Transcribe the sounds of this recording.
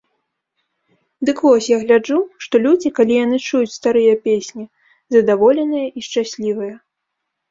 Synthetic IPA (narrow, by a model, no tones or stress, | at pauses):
d̪ɨkvɔsʲjaɣlʲad͡ʐuʂt̪ɔlʲud͡zʲikalʲijan̪ɨt͡ʂujut͡sʲst̪aɾɨjɐpʲesʲnʲi | zɐd̪avɔlʲɛnɨjɐʔiʂt͡ʂasʲlʲivɐjɐ